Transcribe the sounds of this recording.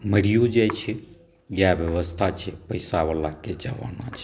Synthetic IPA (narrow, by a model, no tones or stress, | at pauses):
məɽijod͡ʒajt͡ʃʰɛ | jabjəʋəst̪ʰat͡ʃʰɛpəjsaβalaked͡ʒəʋa̰nat͡ʃʰɛ̥